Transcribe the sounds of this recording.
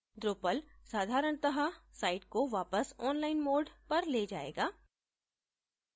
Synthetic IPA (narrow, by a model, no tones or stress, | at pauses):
d̪ɾoːpəlsaːd̪ʱaːɾəɳ̃t̪ɐɦasaːɪʈkoʋaːpəsɔːnlaːɪnmoːɖpɐɾleːd͡ʒaːḛːɡaː